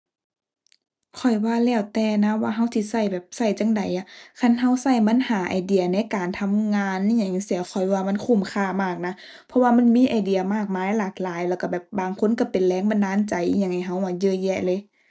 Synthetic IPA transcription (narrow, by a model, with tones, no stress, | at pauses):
kʰɔ˨˩jwaː˧˩lɛː˧˩wt̪ɛː˧na˧˥waː˧ɦa˧˥˩wt̪ʰiː˧˨sa˧˩jbɛː˨˩p̚sa˧˩jt͡ɕa˧˥˨ŋda˨˩jʔa˧˩kʰa˧˥˨nɦa˧˩wsa˧˩jma˧˥˨nhaː˨˦ʔa̰ː˨˩jdi˧˨ɐna˧˥˨kaː˨˩nt̪ʰa˧˥˨mŋaː˧n˧˨ɲa˧˩˨ɲa˧˩si˧˦˨ɐwkʰɔ˨˩jwaː˧ma˧˥˨nkʰu˧˩˨mkʰaː˧˩maː˧˥˩k̚na˧˥ | pʰɔ˧waː˧ma˧˥˨nmiː˧˥˨ʔa˨˩jdi˨ɐmaː˧˥˩k̚maː˧˥˨jlaː˨˩k̚laː˨˦jlɛː˧˩ka˧˩bɛː˨˩p̚baː˨˩ŋkʰo˧˥˨nka˧˩pe˨nlɛː˧˥ŋba˧˨nːaː˧˥˨nt͡ɕa˨˦jʔɲa˧˨ŋha˧˩jɦa˧˩wʔa˧˩jɤː˧˨jɛ˧˩lɤ˧˦˨